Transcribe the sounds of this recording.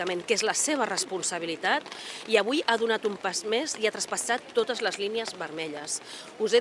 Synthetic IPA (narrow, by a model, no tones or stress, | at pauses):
əmeŋkezləseβ̞ərəspunsəβ̞ilit̪at̪iəβujaðunat̪umpazmeziat̪ɾəspəsat̪ːot̪əzləzliniəzβəɾmɛʎəs | uze